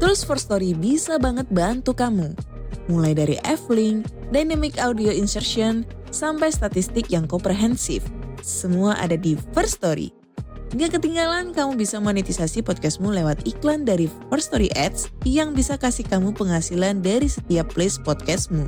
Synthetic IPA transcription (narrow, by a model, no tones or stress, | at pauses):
t̪əɾusfɔrst̪oɾibisabaŋət̪̚bant̪ukamu | mulajdaɾḭʔɛflɪŋ | dajnamikawdioinsərʃiɔn | sampajst̪at̪ist̪ɪkjaŋkɔmpɾeɦɛnsḭfsəmuaʔa̰dadifərst̪oɾḭ | ŋɡaʔkət̪iŋɡalankamubisamonit̪isasipɔt̪̚kɛsmulewat̪iklandaɾifərst̪oɾiʔɛt̪̚sjaŋbisakasikamupəŋɦasilandaɾisət̪iapːlespɔt̪̚kɛsmu